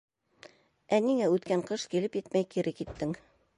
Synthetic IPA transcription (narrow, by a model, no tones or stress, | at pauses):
ʔæniŋæʉt̪kæŋqɤʃkilɘpjɘt̪mæjkiɾʔɘkit̪ːɘŋ